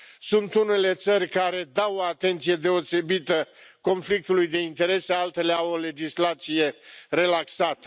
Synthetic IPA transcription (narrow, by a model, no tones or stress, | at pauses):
sunt̪une̞le̞t̪sərʲkaɾe̞d̪awoat̪e̞nt̪sije̞d̪e̞o̞se̞bit̪əko̞nflik̚t̪ulujd̪e̞int̪e̞ɾe̞sealt̪e̞leawo̞le̞d͡ʒislat̪sije̞ɾe̞laksat̪ə